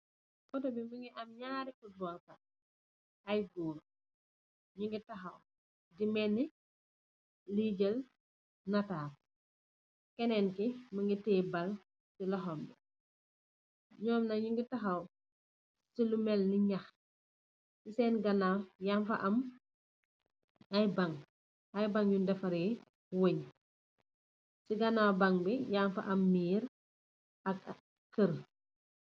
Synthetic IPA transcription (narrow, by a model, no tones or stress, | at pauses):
kɔtɔbimbəŋɡiʔɐmɲaːɾikudɔːlkɐ | ɐjɡuːɾ | ɲuŋɡitɐxɐw | dimɛnːi | liɟəl | nɐtaːt̚ | kɛnɛnkiməŋɡitɛːbɐl | silɔxɔmdi | ɲɔːmnɐɲuŋɡitɐxɐw | silumɛlniɲɐx | sisɛːnɡɐnajaɱfɐ̰ʔɐm | ɐjbaŋ | ɐjbaŋjundɛfɐɾɛ | woɲ | siɡɐnawbaŋbijaːnfɐ̰ʔɐmːiːɾ | ʔɐk | kəɾ